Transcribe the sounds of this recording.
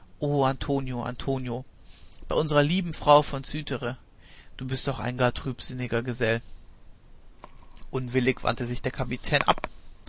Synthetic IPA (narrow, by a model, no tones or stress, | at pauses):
ʔoːantʰoːnjoʔa̰ntʰoːnjob̥aɪʔʊnzəʁɐliːbm̩fʁ̥aʊfɔnt͡syːtʰəʁə | d̥uːbɪst̚d̥ɔχa̰ɪnɡaːɐtʁ̥yːpz̥ɪnɪɡɐɡəzɛl | ʔʊnvɪlɪkv̥a̰ntəzɪçd̥eːɐkʰapitʰɛːnʔa̰p̚